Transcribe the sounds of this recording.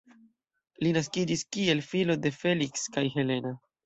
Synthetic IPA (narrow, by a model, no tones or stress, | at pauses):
linaskid͡ʒiskie̞lfilo̞de̞fe̞likskajɦe̞le̞na